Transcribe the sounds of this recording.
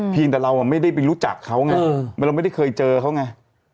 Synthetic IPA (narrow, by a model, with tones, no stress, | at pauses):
pʰi˧əŋt̪ɛː˨˩ɾa˧wʔa˨˩ma˥˩jda˥˩jpa˧jɾuː˦˥t͡ɕa̰˨˩kʰːa˦˥wŋa˧ma˥˧ɾa˧wma˥˩da˥˩kʰɤː˧jt͡ɕɤː˧kʰa˦˥wŋa˧˥˩